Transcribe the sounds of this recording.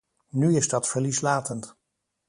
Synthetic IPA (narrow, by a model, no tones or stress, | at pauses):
nyɪzdɑtfəɹlislaːtənt